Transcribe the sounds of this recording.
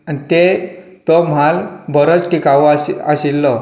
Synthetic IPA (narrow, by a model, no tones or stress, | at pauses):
anit̪e | t̪ɔm̤albəɾot͡sʈʰikaʋa̰ɕilːɔ